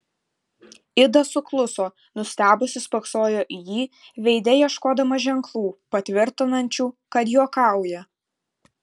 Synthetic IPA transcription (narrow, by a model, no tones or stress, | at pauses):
ɪd̪ɐsʊklˠʊsoː | nʊsʲt̪ʲæːbʊsʲɪspɐksoːjoːʔɪjiːʋʲɛɪd̪ʲɛjiɛʃkoːd̪ɐmɐʒʲɛŋklˠuːpɐt̪ʲʋʲɪɾʲt̪ʲɪnɐnʲt͡ʃʲuːkɐt̪joːkɑˑʊjɛ